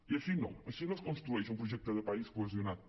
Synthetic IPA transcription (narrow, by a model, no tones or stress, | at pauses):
iɐsinɐ̰̃w̃ɐsinɔskõnst̪ɾuejʃũmpɾoʒɛk̚t̪oðepaiskwezjonað